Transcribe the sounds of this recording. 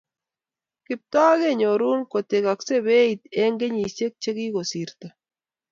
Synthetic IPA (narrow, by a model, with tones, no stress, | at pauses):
kɪ˨p̚t̪aː˦ɣe˦˨ɲo˨ɾu˦nko˨t̪e˨ka˨kse˦be˦i˨t̪e˦ŋɡe˦ɲi˨se˦k̚t͡ʃe˦ki˦ko˨si˨ɾt̪a˨